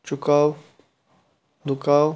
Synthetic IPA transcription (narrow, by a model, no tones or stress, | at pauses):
t͡ʃʊkaːw | d̪ʊkaːw